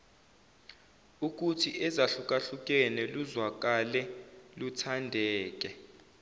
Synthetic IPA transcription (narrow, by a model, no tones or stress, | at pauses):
uk̬utʰiʔɛzaɬuk̬ʼaɬuk̬ʼɛnɛluzwak̬ʼalɛlutʰandʱɛːk̬ʼɛ